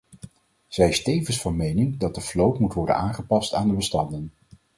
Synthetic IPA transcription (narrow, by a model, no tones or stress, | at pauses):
z̥ɛjɪstejvənsfɑnmejnɪŋdɑt̚dəflowtmutʋɔɹdə̰naːŋχəpɑstaːndəbəstɑndən